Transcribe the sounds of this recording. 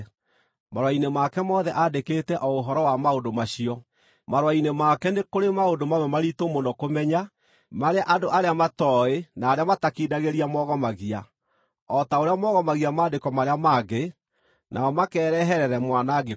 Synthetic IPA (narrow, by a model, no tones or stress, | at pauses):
maɾwainemakɛmɔðɛʔadekeːtɛʔɔoɦɔɾɔwamaodomaɕiɔ | maɾwainemakɛnekoɾemaodomawɛmaɾitomonɔkomɛɲa | maɾeaʔadoʔaɾeamatɔenaːɾeamatakidaɣeɾiamɔɣɔmaɣia | ɔtaoɾeamɔɣɔmaɣiamaːdekɔmaɾeamaːɡe | nʔa̰ɔmakɛːɾɛɦɛɾɛɾɛmwanaɡe